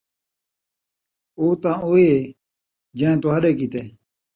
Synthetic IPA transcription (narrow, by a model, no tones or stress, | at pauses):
oːt̪ãːoːeː | d͡ʑãːt̪oːɦəɗeːk̬it̪ẽː